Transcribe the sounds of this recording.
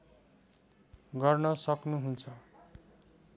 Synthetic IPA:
ɡʌrnʌsʌknuɦunt͡sʰʌ

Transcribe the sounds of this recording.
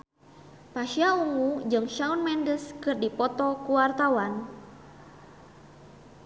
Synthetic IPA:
paʃiauŋud͡ʒɨŋʃaunmɛndəskɨrdipɔt̪ɔkuwart̪awan

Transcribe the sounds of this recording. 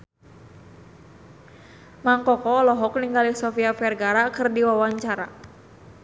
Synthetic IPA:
maŋkɔkɔːlɔɦɔk̚niŋɡalisɔfiafɛrɡaɾakɨrdiwawaɲt͡ʃaɾa̰

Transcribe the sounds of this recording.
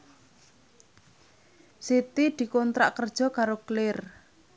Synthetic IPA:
sit̪id̪̥i̤kɔnt̪ɾa̰ʔkərd̥ʒ̥ɔ̤kaɾoklɪr

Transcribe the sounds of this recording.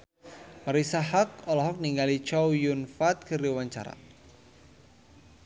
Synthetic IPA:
maɾisaɦak̚ɔlɔɦɔk̚niŋɡalit͡ʃawjunfat̪̚kəɾiwaɲt͡ʃa̰ɾa̰

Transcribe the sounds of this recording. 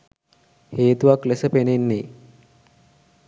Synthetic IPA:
heːt̪uʋaklesəpenenːe

